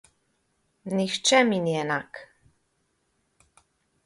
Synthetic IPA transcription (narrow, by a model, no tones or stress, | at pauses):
nixt͡ʃɛminiɛnak